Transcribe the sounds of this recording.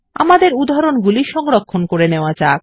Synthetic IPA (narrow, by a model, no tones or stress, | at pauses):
a̰mad̪eɾud̪ʱaɾonɡuliʃɔŋɾokʰːonkoɾeneoat͡ɕak